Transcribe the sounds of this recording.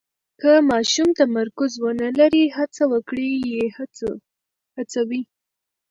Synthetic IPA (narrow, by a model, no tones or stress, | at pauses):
kəmɑʃumt̪amaɾkʊzwənəlaɾihat͡sawəkɽije | hat͡sawi